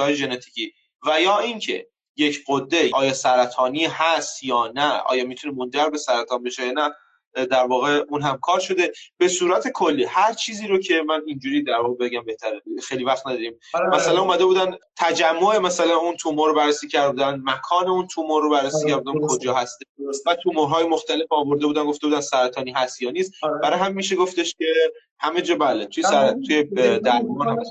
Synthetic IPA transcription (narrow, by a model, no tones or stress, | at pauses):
ɒːjeʒe̞net̪ʰi̥ːcʰiː | væjɒːiŋcʰe̞̰ | je̞cɢod̪ːe̞ɒːjɒːsæɾæt̪ʰɒːnihæst̪jɒːnæɒ̰ːjɒːmit̪ʰunemo̞nd͡ʒæɾbe̞sæɾæt̪ʰɒːnbe̞ʃejɒːnæ | d̪æɾvɒːɣe̞unɦæmkʰɒːɾʃo̞d̪e̞b̥e̞suːɾæt̪ʰe̞kʰo̞lːiːhæɾt͡ʃʰiːziːɾocʰe̞mænind͡ʒuːɾiːd̪æɾvɒːɣebe̞ɟæmbe̞ht̪ʰæɾexejlivæχt̪næd̪ɒːɾiːmmæsælænumæd̪ebuːd̪ænd̪t̪ʰæd͡ʒæmːoemæsælænunt̪ʰumoɾobærːesiːcʰæɾd̪buːd̪ænmækʰɒːneunt̪ʰumoɾrobærːesiːcʰæɾbud̪ænkʰo̞d͡ʒɒːhæst̪eʃvæt̪ʰumoɾɦɒːjemoxt̪æle̞fɒːvo̞ɾd̪ebuːd̪ænɡo̞ft̪e̞buːd̪ænsæɾæt̪ʰɒːniːɦæst̪jɒːniːst̪b̥æɾɒːjhæmːiʃ̬e̞ɡo̞ft̪e̞ʃcʲe̞ | hæme̞d͡ʒɒːbæːlet̪ʰujesæɾt̪ʰujed̪æɾmɑnhæ